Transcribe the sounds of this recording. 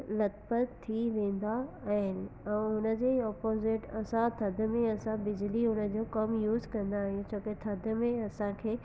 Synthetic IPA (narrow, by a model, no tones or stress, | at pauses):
lɐt̪pətt̪ʰːiʋẽːn̆d̪aːɦɪnɪ̆ɛ̃ːɦʊnə̆d͡ʑeːɔːpoːzɪʈɐsãt̪ʰɐd̪ʱə̆mẽɐsãbɪd͡ʑliɦʊnə̆d͡ʑoːkɐmjuːzkɐ̃nd̪aːɦijõt͡ɕʰoːket̪ʰɐd̪ʱə̆mẽɐsãkʰeː